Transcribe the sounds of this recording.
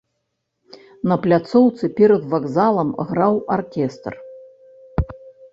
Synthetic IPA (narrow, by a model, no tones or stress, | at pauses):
nɐplʲat̪sɔwt̪sɨpʲɛɾɐd̪vaɡzalˠɐmɣɾawarkʲɛst̪r